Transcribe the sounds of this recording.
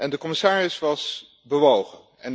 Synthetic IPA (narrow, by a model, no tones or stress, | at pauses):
ʔɛndəkɔmɪsaːrɪsʋɑs | bəʋowχən | ɛn